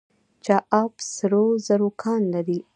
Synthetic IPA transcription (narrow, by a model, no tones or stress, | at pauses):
t͡ʃɑʔɑbsɾozaɾokʰɑnlaɾi